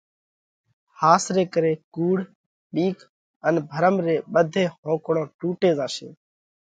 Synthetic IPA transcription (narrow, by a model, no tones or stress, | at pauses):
haːsɾeːkəɾeːkuːɽ̤ | ɓiːkʰ | ənbʱəɾəmɾeːɓəd̪ʱeːɦõːkɳõːʈuːʈeːzaːʃḛː